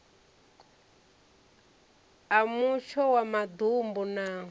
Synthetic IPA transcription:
amuʃɔwamad̪umbunaː

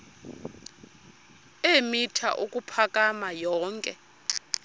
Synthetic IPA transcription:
emitʰa̰ʔukʼupʰakʼamajɔːŋkʼɛ̰

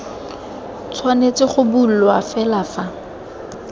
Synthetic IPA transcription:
t͡sʰwanet͡sɪχʊbul̩lwafɛlafa

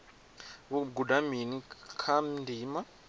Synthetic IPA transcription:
βuɡudaminikʰamndiːma

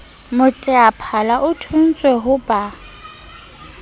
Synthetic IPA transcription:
mʊtʼɛapʰalaʔʊtʰun̩t͡sʼweɦʊbʼa

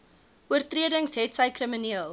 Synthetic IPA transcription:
ʔuərtriədəŋsɦɛtsɐjkrəməniəlˠ

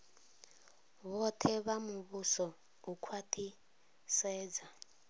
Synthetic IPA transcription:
βɔtʰɛβamuβusɔ | ukʰwatʰi | sɛːd͡za

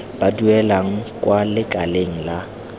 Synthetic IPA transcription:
b̥aduɛlaŋ̩kʼwalɪkʼaleŋ̩la

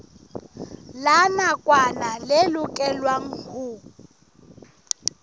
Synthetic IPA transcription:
lanakʼwanalɪlʊkʼɛlwaŋ̩hʊ

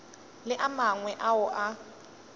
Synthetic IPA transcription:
lɪʔamaŋwɛʔaʊʔa

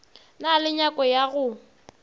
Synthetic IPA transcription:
nalɪɲakʼɔjaɣʊ

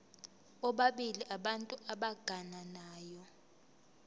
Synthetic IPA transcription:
ɔɓaɓiliʔaɓantʼuʔaɓaɡ̥ʱananaːjɔ

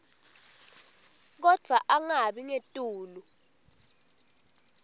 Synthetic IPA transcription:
k̬ɔd̥ʱwaʔaŋaɓiŋetʼuːlu

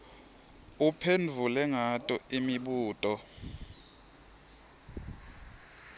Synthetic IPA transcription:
upʰend͡vʱulɛŋatʼɔimiɓuːtʼɔ

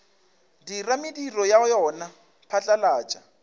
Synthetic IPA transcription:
diramɪdirɔjajɔna | pʰat͡ɬʼalaːt͡ʃʼa

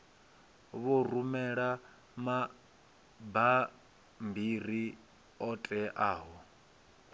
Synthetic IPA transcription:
βorumɛɺa | ma | ba | mbir̤i | ɔtʼɛʔaːɦɔ

